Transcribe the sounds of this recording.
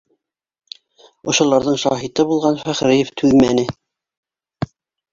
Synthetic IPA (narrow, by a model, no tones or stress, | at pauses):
ŏʃŏlˠɑɾðɤɴʃɑ̰ɦit̪ɤbulˠʁɑnfæχɾɘjɘft̪ʰʉðmænɘ